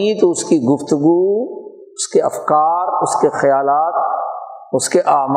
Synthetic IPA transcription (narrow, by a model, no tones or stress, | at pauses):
t̪oʊskiɡʊft̪ʊɡu | ʊskeɐfkaːɾʊskexɐjaːlaːt̪̚ | ʊskeʔaːm